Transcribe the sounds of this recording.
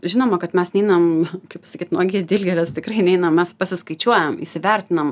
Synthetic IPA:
ʒʲɪnoːmɐkɐt̪mʲɛsnʲɛɪnɐmkɐɪpsɐkʲiːt̪nuːɡʲiːd̪ʲɪlʲɡʲɛlʲɛst̪ʲɪkrɐɪnʲɛɪnɐmmʲɛspɐsʲɪskɐɪt͡ʃʲuɔjɛmḭsʲɪʋʲɛɾʲt̪ʲɪnɐm

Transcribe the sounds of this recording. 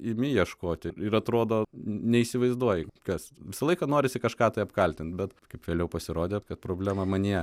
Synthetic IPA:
ɪmʲɪjiɛʃkoːt̪ʲɪɪɾɐt̪ɾoːd̪oːnʲɛisʲɪʋɐɪzd̪uɔjɪkɐsʋʲɪsɐlˠɐɪkɐnoːɾʲɪsʲɪkɐʃkɑːt̪ɐɪɐpkɐlʲt̪ʲɪnt̪̚bʲɛt̪kɐɪpʋʲeːlʲɛʊpɐsʲɪɾoːd̪ʲekɐt̪pɾoːbʲlʲæːmɐmɐnʲiɛ

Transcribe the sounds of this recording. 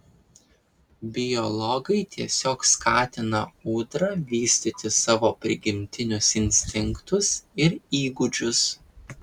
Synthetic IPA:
bʲɪjɔlˠɔɡɐɪt̪ʲiɛsʲoːkskʰɑːt̪ʲɪnɐuːd̪ɾɐʋʲiːsʲt̪ʲɪt̪ʲɪsɑːʋoːpʲɾʲɪɡʲɪmʲt̪ʲɪnʲʊsɪnʲsʲt̪ʲɪŋkt̪ʊsɪɾiːɡʊd͡ʒʲʊs

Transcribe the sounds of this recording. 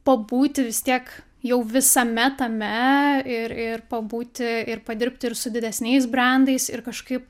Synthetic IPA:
pɐbuːt̪ʲɪʋʲɪst̪ʲiɛk | jɛʊʋʲɪsɐmʲɛt̪ɐmʲɛɪɾɪrpɐbuːt̪ʲɪɪɾpɐd̪ʲɪɾʲpʲt̪ʲɪɪɾsʊd̪ʲɪd̪ʲɛsʲnʲɛɪs̬bʲrɑnd̪ɐɪsɪɾkɐʃkɐɪp

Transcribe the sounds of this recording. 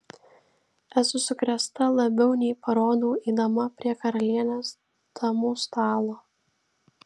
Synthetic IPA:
æsʊsʊkɾʲɛst̪ɐlˠɐbʲɛʊnʲɛɪpɐɾoːd̪uːiːd̪ɐmɐpʲɾʲiɛkɐɾɐlʲiɛnʲoːs | d̪̥ɐmuːst̪ɑːlˠoː

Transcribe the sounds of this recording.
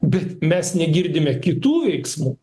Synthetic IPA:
bʲɛt̪mʲɛsnʲɛɡʲɪɾʲd̪ʲɪmʲɛkʲɪt̪uːʋʲɛɪksmuː

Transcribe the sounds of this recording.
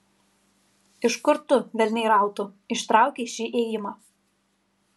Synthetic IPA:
ɪwskʏɾt̪ʏvɛlneɾaːwt̪ʊist̪ɾaːwcesiʔeːjʏma

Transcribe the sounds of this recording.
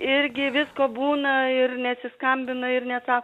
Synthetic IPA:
ɪɾʲɡʲɪʋʲɪskoːbuːnɐɪrnʲɛt̪ʲsʲɪskɐmʲbʲɪnɐɪɾnʲɛtsɑːk

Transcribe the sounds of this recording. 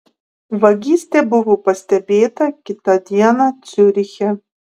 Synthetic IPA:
ʋɐɡʲiːsʲt̪ʲebʊʋopɐsʲt̪ʲɛbʲeːt̪ɐkʲɪt̪ɑd̪ʲiɛnɑt̪sʲʊɾʲɪxʲɛ

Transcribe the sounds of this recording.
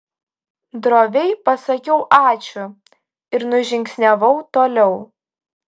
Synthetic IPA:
d̪ɾoːʋʲɛɪpɐsɐkʲɛʊʔɑːt͡ʃʲʊ | ɪɾnʊʒʲɪŋʲksʲnʲɛʋɐʊt̪oːlʲɛʊ

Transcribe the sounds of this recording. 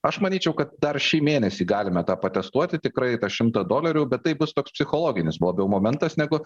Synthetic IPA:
ɐʃmɐnʲiːt͡ʃʲɛʊkɐt̪̚d̪ɐrʃʲiːmʲeːnʲɛsʲiːɡɑːlʲɪmɛt̪ɑːpɐt̪ʲɛst̪uɔt̪ʲɪt̪ʲɪkɾɐɪt̪ɑʃʲɪmt̪ɐd̪oːlʲɛɾʲuːbʲɛt̪̚t̪ːɐɪbʊst̪oːkspʲsʲɪxoːlˠoːɡʲɪnʲɪsbʊʋoːbʲjɛʊmoːmʲɛnt̪ɐsnʲæɡʊ

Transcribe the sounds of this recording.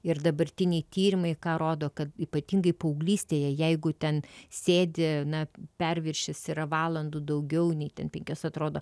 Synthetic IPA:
ɪrd̪ɐbɐɾʲt̪ʲɪnʲɛɪt̪ʲiːɾʲɪmɐɪkɑːɾoːd̪oːkɐt̪iːpɐt̪ʲiŋɡɐɪpɐʊɡlʲiːsʲt̪ʲeːjɛjɛɪɡʊt̪ʲɛnsʲeːd̪ʲɪnɐpʲɛɾʲʋʲɪrʲʃʲɛsʲɪɾɐʋɑːlˠɐnd̪ud̪ɐʊɡʲɛʊnʲɛɪt̪ʲɛnpʲɛŋʲkʲosɐt̪ɾoːd̪oː

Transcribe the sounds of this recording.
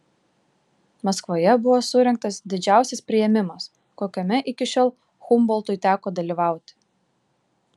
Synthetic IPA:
mɐskʋoːjɛbʊʋoːsʊɾʲɛŋk̚t̪ɐsd̪ʲɪd͡ʒʲæˑʊsʲɛspʲɾʲɪjɛmʲɪmɐs | koːkʲoːmʲɛʔɪkʲɪʃʲoːlˠ | xʊmbɔlˠt̪ʊɪt̪ʲæːkoːd̪ɐlʲiːʋɑˑʊt̪ʲɪ̥

